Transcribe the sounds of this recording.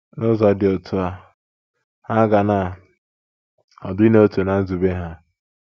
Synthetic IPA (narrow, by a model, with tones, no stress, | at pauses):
nʊ˦zɔ˨dɪ˨ɔ˨tʰʊ˦a˦ | ha˦ɡa˨na˦˨ | ɔ̰˨dʊ˦i˦ne˦o˦tu˨na˨n̩˦zu˨be˦ɦa˦